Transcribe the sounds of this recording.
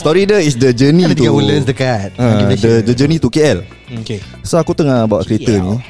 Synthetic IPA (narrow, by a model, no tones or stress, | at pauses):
st̪ɔɾidəis̬dəd͡ʒənĩt̪uawuləsdəkat̪̚ə̃dədəd͡ʒənit̪ukeɛl | oke | soakut̪əŋabawaʔkəɾet̪ənĩ